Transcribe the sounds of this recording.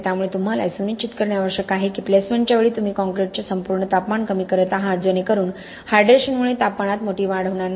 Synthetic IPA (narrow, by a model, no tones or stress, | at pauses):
t̪jamuɭet̪um̤ala̰jsunit͡ɕit̪kəɾɳjaʋəɾʂəkaɦikiplesmẽɳʈt͡ɕjaʋeɭiːt̪um̤iːkɔ̃ŋkɾeʈ̚t͡ɕesəmpuɾɳət̪apmaɳkəmiːkəɾət̪aɦãɾd͡zənekəɾuːn | hajɖɾeɕənmuɭet̪apmaɽ̃at̪moʈiːʋaɽ̤əʋɳ̃an